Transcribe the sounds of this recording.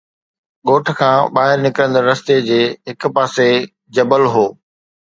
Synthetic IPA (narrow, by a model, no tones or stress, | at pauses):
ɠoːʈʰkʰãːɓaːɦɪɾnɪkɾə̃nd̪əɾɐst̪ed͡ʑeːɦɪk̆paːse | d͡ʑɐbəlɦoː